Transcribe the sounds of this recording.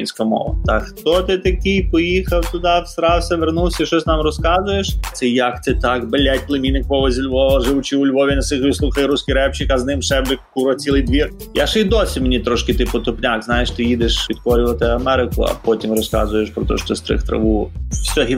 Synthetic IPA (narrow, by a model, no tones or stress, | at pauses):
inʲsʲkɔmɔ̰ʋɐ̰t̪ɐxt̪ɔt̪ɪt̪ɐkʲɪjpɔjixɐwt̪ʊd̪ɑst̪ɾɑwsʲɐʋernulˠsʲɐiʃɔsʲnɑmrɔskɑzʊjeʃt̪sɛjɐkt̪sɛt̪ɑkbelʲɛtʲplˠɪmʲinɪkpɔʋɐzʲɪlʲʋɔʋɐʒɪʋʊt͡ʃiʊlʲʋɔʋʲinɐsɪxʲisˠuxɐjɾuskiɾɛpt͡ʃɪkɐznɪmsɛbɪkkuɾɔt͡sʲilˠɪjd̪ʋʲir | jaʃɛid̪ɔsʲɪmenʲit̪ɾɔʃkɪt̪ɪpʊt̪ʊpnʲakznajeʃt̪ɪjid̪ɪʃʋʲid̪kɔɾʲʊʋɐt̪ɪɐmɛɾɪkʊɐ̰pɔtʲimrɔskɑ̰zʊjeʃpɾɔt̪ɔ̰ʃɔ̥t̪ɔst̪ɾɪ̰xt̪ɾɐ̰ʋusʲɔɦʲi